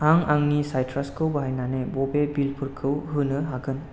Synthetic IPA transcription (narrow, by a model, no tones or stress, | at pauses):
aŋaŋnisajtʰɾaskʰɯwbaɦajnanebɔbebilpʰɯɾkʰɯwɦɯnɯɦaɡɯn